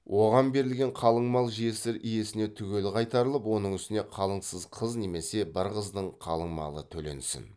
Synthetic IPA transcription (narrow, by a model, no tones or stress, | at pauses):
wʔo̞ʁɑnbe̞ɾɪlɡʲe̞ɴqʰɑlˠəɴmɑlˠʒije̞sɪɾʔije̞sɪne̞t̪ʰʏɡʲe̞lqʰɑjt̪ɑɾəlˠəpwo̞nəɴʏst̪ɪne̞qʰɑlˠəɴsəzqʰəzne̞me̞se̞bɪɾqəzd̪əɴqʰɑ̰lˠəɴmɑ̰lˠə̰t̪ʰɵle̞̰nsɪ̰n